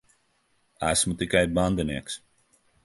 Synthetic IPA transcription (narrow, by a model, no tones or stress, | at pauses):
asmutikɛj̚bandənɪks